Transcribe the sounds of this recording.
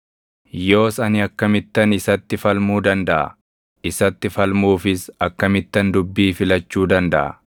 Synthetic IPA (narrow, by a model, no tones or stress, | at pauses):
jo̞ːsɐnɪɐkːɐmɪt̪ːɐnɪsɐt̪ːɪfɐlmuːd̪ɐnd̪ɐʔɐ̰ | ɪsɐt̪ːɪfɐlmuːfɪsɐkːɐmɪt̪ːɐnd̪ʊbːiːfɪlɐt͡ʃːuːd̪ɐnd̪ɐʔɐ̰